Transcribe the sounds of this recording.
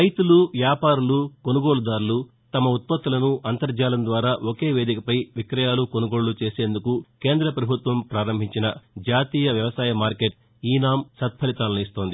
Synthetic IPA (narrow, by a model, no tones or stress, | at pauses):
ɾɐjt̪uluʋjaːpaːɾuluko̞nuɡo̞ːɭud̪aːɾulu | t̪ɐmɐut̪̚pɐt̪ːulɐnuʔɐnt̪ɐɾd͡ʒaːlɐnd̪ʋaːɾaːʔoke̞ːʋe̞ːd̪ikɐpɐjʋikɾɐjaːlukonuɡo̞ːɭut͡ʃe̞ːse̞ːnd̪ukuke̞ːnd̪ɾɐpɾɐbʱut̪ʋɐmpɾaːɾɐmbʱiɲt͡ʃinɐd͡ʒaːt̪iːjɐʋjɐʋɐsaːjɐmaːɾke̞ʈ̚ | iːnaːmsɐt̪̚pʰɐlit̪aːlnuist̪o̞ːnd̪i